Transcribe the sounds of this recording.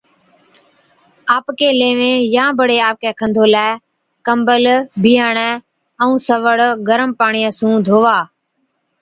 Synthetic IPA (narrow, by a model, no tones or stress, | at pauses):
aːpkeːleːʋẽːjãːbəɽeːaːp̚keːkʰə̃nd̪ʱoːlaː | kəmbəlbʱiːaːɳɛː | əũːsəʋəɽɡəɾəmpaːɳijəsũːd̪ʱoːʋaː